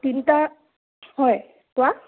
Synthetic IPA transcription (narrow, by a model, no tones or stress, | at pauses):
tinta | hɔj | kʊa